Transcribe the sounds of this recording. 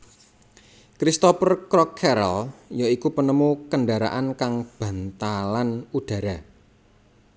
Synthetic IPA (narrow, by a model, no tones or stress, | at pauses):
kɾist̪ɔpərkɾɔkʰːɛɾɔljoikupənəmukənɖaɾa̰ʔankaŋb̥ä̤nt̪alanuɖ̥ä̤ɾa